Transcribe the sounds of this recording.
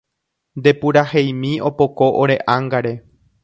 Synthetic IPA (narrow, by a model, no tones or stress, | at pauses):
nd̪e̞puɾahejmĩo̞po̞ko̞ʔoɾe̞ʔaŋɡaɾe̞